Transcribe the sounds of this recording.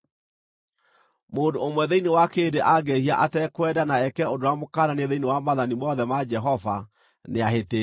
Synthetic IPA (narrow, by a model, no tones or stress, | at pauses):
moːndoomwɛðeinewakedeʔaɡehiaʔatɛkwɛdanaɛkɛodowamokananeðeinewamaðanimɔðɛmad͡ʒɛɦɔva | neaɦete